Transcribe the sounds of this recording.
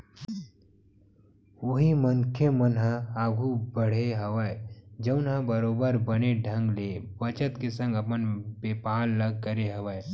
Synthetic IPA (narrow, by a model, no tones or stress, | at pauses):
oɦiməŋkʰemənɦaaːɡʱubəɽ̤eɦɐʋaːed͡ʒɐʊnɦə̃bɐɾoːbəɾbəneɖʱə̃ŋɡlebət͡ʃət̪kesə̃ŋɡɐpənbeːpaːlːɐɡ̚kəɾeɦɐʋaːe